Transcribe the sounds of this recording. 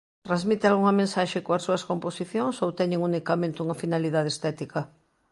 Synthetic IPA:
t̪ɾazmit̪ealɣuŋɐmẽnsaʃekoɐsuɐskomposiθjoŋsowt̪ɛɲẽŋunikamẽnt̪uŋɐfinaliðað̞est̪ɛt̪ikɐ

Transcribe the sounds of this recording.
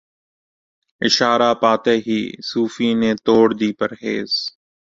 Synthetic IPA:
ɪʃaːɾaːpaːt̪eːɦḭːsuːfiːnẽːt̪oːɽd̪iːpəɾɦḛːz̥

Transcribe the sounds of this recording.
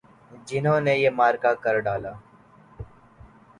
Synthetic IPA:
d͡ʒɪnɦõːnejeːmaːɾkakəɾɖaːlaː

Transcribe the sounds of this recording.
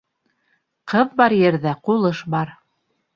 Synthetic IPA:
qɤðbɑɾjɘ̆ɾðæqulˠɤʃbɑɾ

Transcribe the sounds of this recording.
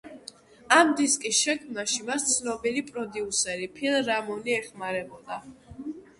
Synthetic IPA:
amd̪iskʼisʃɛkʰmnaʃimast̪sʰnɔbilipʼɾɔd̪iusɛɾipʰilˠɾamɔniɛχmaɾɛbɔd̪a

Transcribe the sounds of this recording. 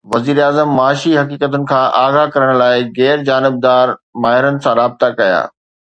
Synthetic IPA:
ʋɐziːɾaːzəmːaːʃiɦɐkiːkət̪ʊnɪ̆kʰãːʔaːɣakɐɾəɽ̃laːɪɣɛːɾd͡ʑaːnɪb̚d̪aːɾmaːɦɪɾənɪ̆sãɾaːb̚t̪akɐja̰ː

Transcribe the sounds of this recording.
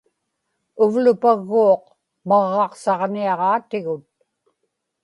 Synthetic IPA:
ʊvlʊpaɣːuːq | mɑʁːɑqsɑʁniɑʁɑːt̪ɪɣʊt̪̚

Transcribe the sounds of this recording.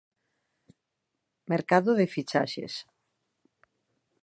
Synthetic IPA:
meɾkaðʊðɪfit͡ʃaʃḛs

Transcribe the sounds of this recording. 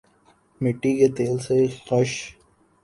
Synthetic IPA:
mɪʈːiket̪eːlsexəʃ

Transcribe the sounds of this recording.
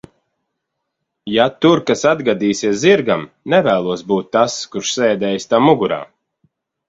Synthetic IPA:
jat̪uɾkasad̪ɡad̪iːsʲiɛsziɾɡam | nɛvæːlˠuɔsbuːt̪ːaskuɾʃsɛːd̪ɛːjst̪amuɡuɾa̰ː

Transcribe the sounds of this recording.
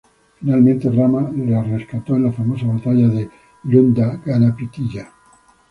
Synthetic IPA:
finalmẽnt̪eramalareskat̪oenlafamos̬aβat̪aʎaðe | lond̪aɡanapit̪iʎa

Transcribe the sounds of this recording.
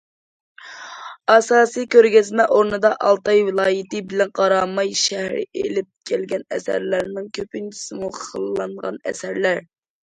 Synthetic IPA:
ɑsɑːsɨjkʲøɾɡʲɛzmɛʔoɾnɨd̪ɑʔɑlˠt̪ɑjwɪlˠɑːjit̪ɨbɪlɛnqʰɑɾɑmɑjʃæhɾɪ̰ʔḛlɪp̚kʲʰælɡʲɛnɛ̰sæ̰ɾlæɾnɪŋkʲʰøpynt͡ʃʰi̥sɪmuχʰəlˠlˠɑɴʁɑ̰nɛ̰sæɾlæɾ

